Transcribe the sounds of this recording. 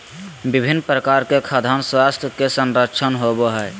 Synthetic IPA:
bibʱinːpɾəkaɾkekʰaːd̪ʱanswast̪ʰjəkesənɾəkt͡ʃʰənɦoboɦɛ

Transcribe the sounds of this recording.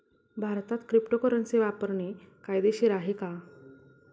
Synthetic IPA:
bʱaɾt̪at̪kɾipʈokəɾənt͡seʋapəɾɳekajd̪eɕiɾaɦeka

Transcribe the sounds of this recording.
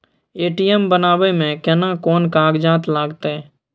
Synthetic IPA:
eːʈijɛmbənaːwemẽkɛnakɔːnkaːɡd͡ʒaːt̪laːɡt̪eɛː

